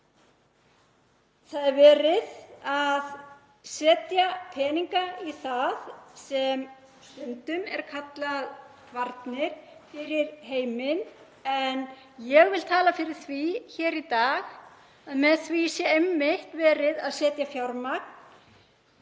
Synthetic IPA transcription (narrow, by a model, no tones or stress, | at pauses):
θaðɛɾvɛːɾɪðað | sɛːt̪japʰɛːniŋkaiθaðsɛm | sʏnt̪ʏmɛ̰ɾ̥kʰat̪lað | vaɾt̪nɪɾ̥fɪɾɪɾɦeːjmɪn | ɛn | jɛɣvɪlt̪ʰaːlafɪɾɪɾ̥θviçɛːɾit̪aːx | aðmɛðθvisjɛemːɪht̪vɛːɾɪðaðsɛːt̪jafjawɾmak̚n